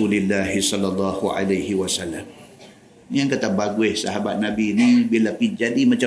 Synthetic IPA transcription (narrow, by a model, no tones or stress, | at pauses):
ulilːaɦisɔlːalːɑhua̰lajhiwasalːam | jaŋkat̪abaɡuɪhsaɦabat̪̚nabinibilapind͡ʒadimat͡ʃa